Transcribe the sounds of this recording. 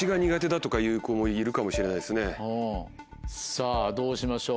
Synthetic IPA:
iɡaɲ̟iɡat̪e̞d̪at̪o̞kajɯ̟ːkomo̞iiɾɯ̟kamo̞ɕiɾe̞naid̪sɨne̞õ | saːd̪oːɕimaɕo

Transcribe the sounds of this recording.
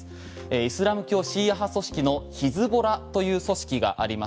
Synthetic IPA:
eisɨɾamɯ̟kʲo̞ːɕiːjaɦaso̞ɕi̥kʲino̞çizɨbo̞ɾat̪o̞jɯ̟ːso̞ɕi̥kʲiɡa̰ʔaɾʲima

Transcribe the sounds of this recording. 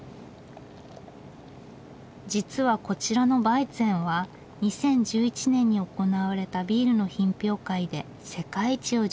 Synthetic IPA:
d͡ʑit͡sɨβako̞t͡ɕiɾano̞bait͡sẽ̞ɰ̃βa | ɲ̟isẽ̞ɲ̟d͡ʑɨːit͡ɕinẽ̞ɲ̟ːio̞ko̞naβaɾe̞t̪abʲiːɾɯ̟no̞çĩmpʲo̞ːkaid̪e̞ | se̞kait͡ɕio̞

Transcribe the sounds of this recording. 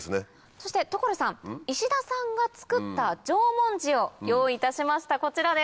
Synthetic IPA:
sɨne | so̞ɕi̥t̪e̞t̪o̞koɾɯsãŋiɕid̪asãŋɡat͡sɨ̥kɯ̟t̪ːad͡ʑo̞ːmõ̞ɲd͡ʑio̞jo̞ːit̪aɕimaɕi̥t̪ako̞t͡ɕiɾad̪e

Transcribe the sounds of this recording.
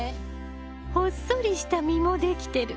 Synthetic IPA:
hosoɾʲiɕi̥t̪amʲimo̞d̪e̞kʲi̥t̪e̞ɾɯ̟

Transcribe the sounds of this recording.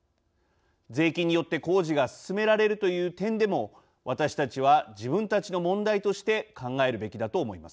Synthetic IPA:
d͡ze̞ːkʲĩɲ̟ːijo̞t̪ːe̞ko̞ːʑiɡasɨ̥sɨme̞ɾaɾe̞ɾɯ̟t̪o̞jɯ̟ːt̪ẽ̞nd̪e̞mo̞ | βat̪aɕi̥t̪at͡ɕiβ̞ad͡ʑibɯ̟̃nt̪at͡ɕino̞mõ̞nd̪ait̪o̞ɕi̥t̪e̞kʰãŋɡae̞ɾɯ̟be̞kʲid̪at̪o̞ːmo̞ima̰sɨ̥

